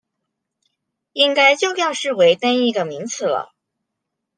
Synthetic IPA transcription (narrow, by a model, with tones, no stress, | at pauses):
i˥ŋka˥ɪt͡ɕjo˥˩ʊjɑ˥˧ʊʂɻ̩˥˩we˧˥ɪt̪a˥ni˥˩ɡə˩mi˧˥ŋt͡sʰɹ̩˧˥˩lə̰˩